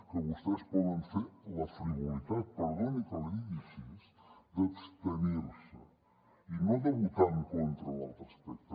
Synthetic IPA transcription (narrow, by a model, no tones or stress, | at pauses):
kəβust̪ɛspɔðənfeɾləfɾiβolit̪at̪̚pəɾɣɔnikoliðisizd̪əpst̪əneɾsə̰ | inoðəβut̪aɾŋkont̪ɾəna̰lˠt̪ɾəspɛk̚t̪